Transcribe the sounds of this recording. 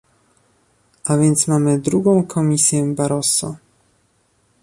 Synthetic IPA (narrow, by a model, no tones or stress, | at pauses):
avʲjɛnt̪smamɘd̪ɾuɡɔ̃w̃kʰɔmʲisʲjɛbaɾɔsɔ̰